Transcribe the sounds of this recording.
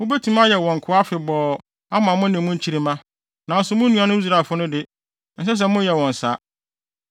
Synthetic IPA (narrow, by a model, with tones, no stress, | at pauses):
mʊ̃˦be˦tʰũ˦m˦a˦jɛ˨wɔ̃˨ŋ̩˨kʰʊ˨˦a˦fɪ˨bɔː˨ | a˦m˨ã˨mʊ̃˦nɪ̃˨mʊ̃˦ɲ̩˦t͡ɕʰi˦ɾi˦mã˦ | nã˨n̩˦sʊ˨mʊ̃˦nũ˦ã˨nʊ̃˦i˦s̬ɾa˨fʊ˦nʊ̃˦dɪ˦ | n̩˦s̬ɛ˦s̬ɛ˦mʊ̃˦jɛ˨wɔ̃˨n̩˨sa̰˦